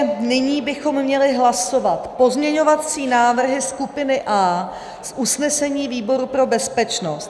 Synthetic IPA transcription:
nɪɲiːbɪxo̞mːɲɛlɪɦlaso̞vat̪po̞zmɲɛɲo̞vat͡siːnaːvr̩ɦɪskupɪnɪʔaː | sʔusnɛsɛɲiːviːbo̞ɾupɾo̞bɛspɛt͡ʃnost̪̚

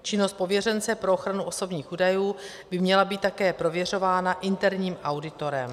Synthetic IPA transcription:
t͡ʃɪnost̪̚po̞vjɛrɛnt͡sɛpɾo̞oxɾanuo̞so̞bɲiːxʔuːdajuː | bɪmɲɛlabiːt̪t̪ːakɛːpɾo̞vjɛr̝o̞vaːnaʔɪnt̪ɛɾɲiːmʔawdɪt̪o̞ɾɛm

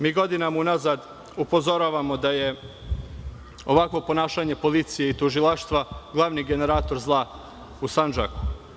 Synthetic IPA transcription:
miːɡo̞d̪inamaunazad̪ | upo̞zo̞ɾaːʋamod̪aje̞ | o̞ʋakʋo̞po̞naːʃaɲe̞polit̪sijeit̪uʒilˠaʃt̪ʋaɡlˠaʋniɡe̞ne̞ɾaːt̪o̞ɾzlˠa | usand͡ʒa̰ku̥

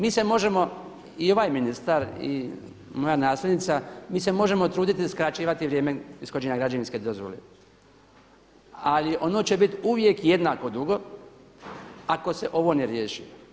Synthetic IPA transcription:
miːse̞mo̞ʒe̞mo̞ | io̞ʋaːjminist̪aɾḭ | mo̞janaːslʲed̪nit̪samiːse̞mo̞ʒe̞mo̞t̪ɾuːd̪it̪iskɾat͡ɕiːʋat̪iʋɾje̞ːmeiskod͡ʑeɲaɡɾad͡ʑaninsked̪o̞zʋo̞̰le | aliʔo̞no̞ːt͡ɕe̞bit̪uʋje̞kje̞d̪naːko̞d̪uɡo̞ | ako̞seʔo̞ʋo̞neɾjeːʃio

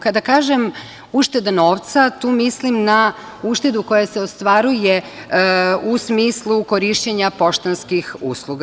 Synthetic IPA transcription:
kad̪akaːʒem | uʃt̪e̞d̪anoːʋt̪sat̪uːmislimna | uʃt̪e̞d̪uko̞jaseost̪ʋaɾuje | usmiːslˠukoɾiʃt͡ɕeɲapo̞ʃt̪anskixṵːslˠuɡa

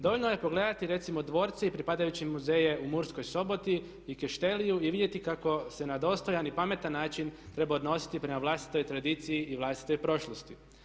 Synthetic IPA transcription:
d̪o̞ʋolʲnoje̞po̞ɡle̞ːd̪at̪iɾe̞t̪simo̞d̪ʋo̞ːɾt̪seipɾipaːd̪ajut͡ɕimuze̞je̞ʔumuɾsko̞jso̞bo̞t̪i | ikeʃt̪e̞lijuiʋid̪je̞t̪ikako̞se̞nad̪o̞ːst̪o̞janipame̞t̪anːaːt͡ʃint̪ɾe̞baod̪no̞si̥t̪ipɾe̞maʋlˠast̪i̥t̪o̞jt̪ɾad̪iːt̪sijiʔiʋlˠast̪i̥t̪o̞jpɾo̞ʃlˠost̪i

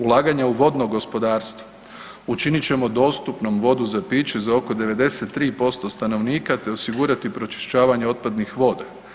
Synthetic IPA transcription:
ulˠaːɡaɲauʋo̞d̪noɡo̞spo̞d̪aːɾst̪ʋo̥ | ut͡ʃinit͡ɕe̞mod̪o̞ːst̪upno̞mʋo̞d̪uzapiːt͡ɕuzao̞ko̞d̪e̞ʋe̞d̪e̞se̞t̪ːɾiːpo̞st̪o̞st̪ano̞ʋniːkat̪e̞o̞siɡuɾat̪ipɾo̞t͡ʃi̥ʃt͡ɕaːʋaɲeo̞t̪̚pad̪nixʋo̞ːd̪a

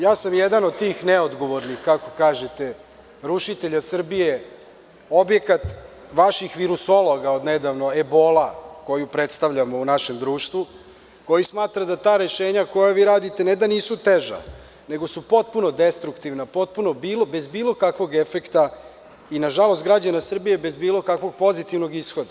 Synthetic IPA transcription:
jaːsamjed̪anod̪̚t̪iːxneod̪ɡo̞ʋo̞ɾnixkako̞̥kaːʒet̪e | ɾuʃit̪eʎasr̩bije | o̞bje̞kat̪ | ʋaʃixʋiɾusolˠo̞ɡao̞d̪ned̪aʋno̞ebo̞lako̞jupɾe̞t̪st̪aʋʎamo̞unaʃe̞md̪ɾuːʃt̪ʋu | ko̞jismaːt̪ɾad̪at̪aːɾe̞ʃeːɲako̞jaʋiːɾaːd̪it̪ened̪aniːsut̪eʒa̰ | ne̞ɡo̞supo̞t̪̚puno̞d̪est̪ɾukt̪iʋnapo̞t̪̚puno̞bilobe̞zbiːlˠo̞kakʋo̞ɡefekt̪a | inaʒalo̞st̪ɡɾad͡ʑanasr̩bije̞be̞zbiːlo̞kakʋo̞ɡ̚po̞zit̪iʋno̞ɡisxo̞d̪a

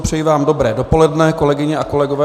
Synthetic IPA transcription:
pr̥ɛjivaːmdo̞bɾɛːdo̞po̞lɛdnɛko̞lɛɡɪɲɛʔako̞lɛɡovɛː

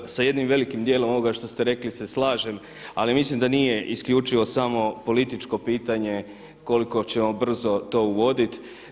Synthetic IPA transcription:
saje̞d̪nimʋe̞likimd̪je̞lo̞mo̞ʋoɡaʃt̪o̞st̪e̞ɾe̞klise̞slˠaːʒe̞m | alimislimd̪anije̞ʔiskʎuːt͡ʃiʋo̞samo̞po̞lit̪it͡ʃko̞piːt̪aɲe̞ | ko̞liko̞t͡ɕe̞mo̞br̩zo̞t̪o̞ːuʋo̞d̪it̪

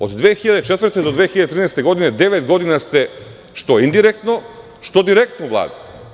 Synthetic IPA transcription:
od̪d̪vexiʎad̪et͡ʃet̪vɾt̪ɛd̪od̪ʋeːxiʎad̪et̪ɾinɛːst̪eɡo̞d̪ined̪eʋet̪ɡo̞d̪inast̪ɛ | ʃt̪oind̪iɾek̚t̪no | ʃt̪od̪iɾek̚t̪novlˠa̰ːd̪a

